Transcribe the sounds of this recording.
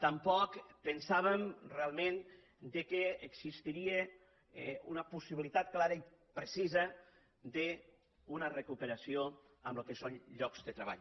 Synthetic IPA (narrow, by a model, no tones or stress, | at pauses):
t̪ampɔkpənsaβemrealˠmẽn | d̪ekeːkzist̪iɾie | unɐpusiβilit̪at̪klaɾɐi | pɾesizə | d̪e | unarekupeɾasio | amlokesonʎɔkz̥d̪ət̪ɾeβa̰ʎ